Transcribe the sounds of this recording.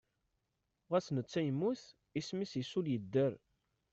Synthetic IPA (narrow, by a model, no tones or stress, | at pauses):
ʁæsnət͡sːæjəmːuθ | ismisjəsuljəd̪ːəɾ